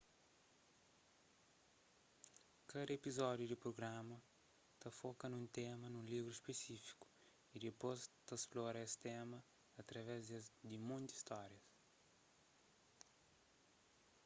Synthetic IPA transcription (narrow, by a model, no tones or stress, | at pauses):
kɐd̪ɐepizɔd̪jud̪ɪpɾoɡɾamɐ | t̪ɐfɔkɐnũnt̪emɐnũlivɾuispesifi̥ku̥ | id̪ɪpost̪asplɔɾɐesɪ̥t̪ɛmɐ | ɐt̪ɾɐvɛzd̪ɪmõnt̪i̥st̪ɔɾjɐs